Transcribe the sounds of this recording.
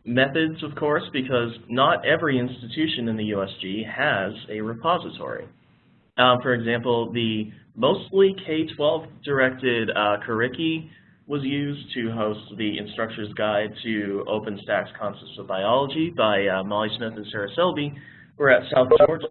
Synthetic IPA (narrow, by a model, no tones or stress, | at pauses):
mɛθɨdzʌv̥kʰɔɹsb̥ɨkʰʌznəɾɛvɹiɪ̃nstɨtʰʉʃɨ̃nɨ̃nðɨjʉɛsd̥ʒ̥iɨzɨɹɨpʰɑzɨtʰɔ̰ɹḭ | fə˞ɨɡzæ̃mpl̩ˠðɨmoʊstˡlikʰeɪtʰw̥ɛlˠvd̥ə˞ɛk̚tɪdkʰə˞ɪki | wʌzjʉztʰɨɦoʊst̚ðiɨ̰̃nstɹ̥ʌk̚t͡ʃə˞zɡaɪd̚tʰɨo̰ʊpɨ̃nstækskʰɑ̃nsɛp̚sʌvbaɪɑlˠəd͡ʒibaɪmɑlˠismɪθɨ̃n̩sɛɹɨsɪlˠbi | wə˞ɨtsaʊθd̥ʒɔɹ